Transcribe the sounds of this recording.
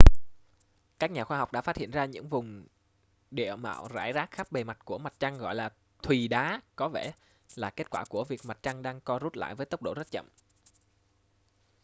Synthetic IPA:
kaː˦˥k̚ɲaː˨˩xwaː˧ɦɔ˨˩wk͡p̚ɗa̰ː˧˥faː˦˥t̚hḭ˧˨ənzaː˧ɲɨ̰˧˥ŋvʊ˨˩ŋ͡m | ɗḭ˧˨əma̰ː˧˨wza̰ː˧˩jzaː˦˥k̚xa˦˥p̚ɓe˨˩ma˨˩t̚ku˧˩əma˨˩t̚t͡ɕa˧ŋɣɔ̰˧˨jlaː˨˩ | t̪ʰwi˨˩ɗaː˨˦kɔ˨˦vɛ˧˩ | laː˨˩ke˦˥t̚kwaː˧˩ku˧˩əvi˨˩ək̚ma˨˩t̚t͡ɕa˧ŋɗaː˧ŋkɔ˧zu˦˥t̚la̰ː˧˨jvəː˨˦jt̪ə˦˥k͡p̚ɗo̰˧˩zə˦˥t̚t͡ɕə̰˧˨m

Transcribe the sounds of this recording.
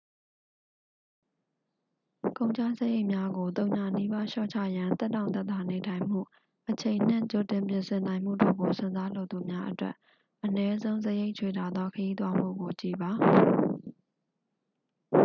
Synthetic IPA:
kõ˨ʊ̃ɲt͡ɕʰa̰˦˨sə˦je˦ɪʔmja˦ɡo˨t̪õ˨ʊ̃ɲa˨ni˦ba˦ʃɔ̰˦˨t͡ɕʰä̰˦˨jã˨nt̪ɛ˦tːã˨ʊ̃t̪̬ɛ˦t̪ːa˨ne˨tʰã˨ɪ̃m̥ṵ˦˨ | ʔət͡ɕʰẽ˨ɪ̃n̥ɪ̰̃˦˨t͡ɕo˨tɪ̃˨mpjɪ̃˨nsɪ̃˨nã˨ɪ̃m̥ṵ˦˨do̰˦˨ɡo˨sɪ̰̃˦˨nza˦lo˦˨t̪u˨mja˦ʔətwɛ̰˦ʔ | ʔənɛ˦zõ˦ʊ̃zəje˦ɪʔt͡ɕʰwe˨ta˨d̪ðɔ˦kʰəji˦t̪̬wa˦m̥ṵ˦˨ɡo˨t͡ɕḭ˦˨ba˨

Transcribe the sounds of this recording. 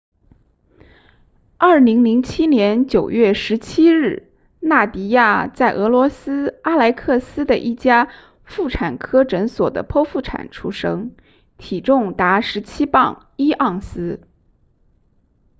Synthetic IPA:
ɐ˞˥˩li˧˥ŋli˧˥ŋt͡ɕʰi˥njɛ˧˥nt͡ɕjo˨˩ʊɥɛ˥˩ʂɻ̩˧˥t͡ɕʰi˥ɻɻ̩˥˩ | na˥˩t̪i˧˥ja˥˧t͡sa˥˩ɪʔɤ˧˥lwɔ˧˥sɹ̩˥a˥la˧˥ɪkʰɤ˥˩sɹ̩˥d̪ə˨ʔi˥˩t͡ɕja˥ | fu˥˩ʈ͡ʂʰa˨˩nkʰɤ˥ʈ͡ʂə˧˥nswɔ̰˨˩d̪ə̰˦pʰɔ˥fu˥˩ʈ͡ʂʰa̰˨˩nʈ͡ʂʰṵ˥ʂɤ˥ŋ | t̪ʰi˨˩ʈ͡ʂʊ˥˩˧ŋt̪a˧˥ʂɻ̩˧˥t͡ɕʰi˥pɑ˥˧ŋ | i˥ʔɑ˥˩ŋsɹ̩˥

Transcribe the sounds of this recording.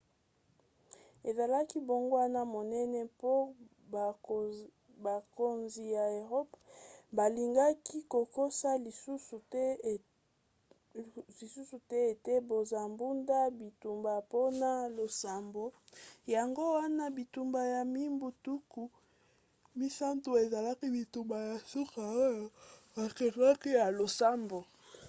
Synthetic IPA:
e˨za˨la˦ki˦bo˨ŋɡo˦wa˦na˦mo˨nɛ˦nɛ˦po˦ | ba˨ko˨nzi˨ja˨e˨ʁo˦pba˨li˨ŋɡa˦ki˦ko˨ko˦sa˦lu˦su˨˦ | li˨su˦su˨tɛ˦e˨te˦bo˨za˨mbu˦nda˦bi˨tu˨mba˨po˦na˦lo˨sa˨mbo˨ja˨ŋɡo˦wa˦na˦bi˨tu˨mba˨ja˨mi˦mbu˨tu˦ku˨ | mi˦sa˦nto˨e˨za˨la˦ki˦bi˨tu˨mba˨ja˨su˦ka˨o˦ja˨ | a˨ke˨˦a˦ki˦ja˨lo˨sa˦mbo˨

